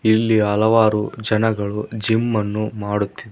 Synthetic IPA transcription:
ilːiɦɐlɐʋaːɾud͡ʒɐnɐɡɐɭud͡ʒimːɐnːumaːɽut̪ːid̪e

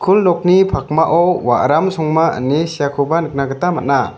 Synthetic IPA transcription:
kʰulnɔk̚nipʰak̚maʔɔwa̰ʔɾamsɔŋmaə̰nːesijakʰɔbanɯk̚naɡət̪amat̚na

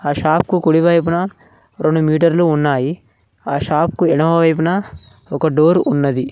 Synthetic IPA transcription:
aːʃaːpkukuɽiʋɐjp̬unɐ | ɾoɳɖumiːʈɐɾluːnːaːji | aːʃaːp̚kuɛɽɐmɐʋɐjpɐnɐ | ɔkɐɖoːɾunːɐd̪i

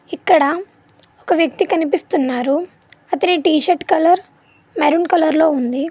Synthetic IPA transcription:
ikːɐɽɐ | ɔkɐʋjɐk̚t̪ikɐnipist̪unːaːɾu | ɐt̪ɐniʈiːʃɐɾʈkɐlɐɾ | mɐɾuɳkɐlɐɾlo̞ːund̪i

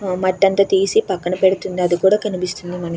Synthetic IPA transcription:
mɐʈːɐnt̪ɐːt̪iːsipɐkːɐnɐpeɽut̪und̪iɐd̪ikuːɽaːkɐnipist̪und̪imɐnɐ

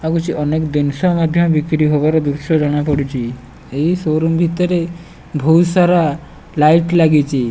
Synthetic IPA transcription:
aɡut͡ʃiʔɔnekd̪insɔmad̪ʱjɔmbikɾiɦoʋaɾɔd̪uɾsɔd͡ʒɔɽ̃apɔɽit͡ʃi | eisoɾumbʱit̪ɔɾe | bʱɔwsaɾa | laiʈlaɡit͡ʃi

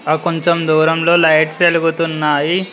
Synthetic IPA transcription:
aːkoɲt͡ʃomd̪uːɾɐmlo̞ːlɐjʈse̞luɡut̪unːaːji

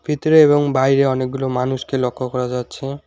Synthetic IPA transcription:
bʱit̪ɾeebɔŋbajɾeɔnek̚ɡulomanuskelɔkʰːɔkɔɾad͡ʒat̪t͡ʃʰẽ

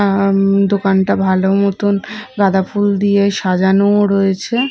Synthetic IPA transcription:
d̪okanʈabʱalomot̪onɡad̪afuld̪ijeʃad͡ʑanoɾojet͡ɕʰe

